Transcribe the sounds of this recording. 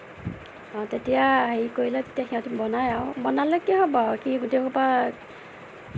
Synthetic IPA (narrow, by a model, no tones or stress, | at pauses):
ɔ̃tetijaːɦeikoilɛte̥tijaxiãtibɔnajaʊbɔnalɔkiɦɔbɔkiɡutejkɔpa